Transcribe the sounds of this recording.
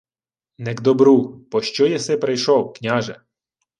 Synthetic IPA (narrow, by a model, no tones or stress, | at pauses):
nɛɡd̪ɔbɾupɔʃt͡ʃɔjɐsɪpɾɪjʃɔwknʲaʒɛ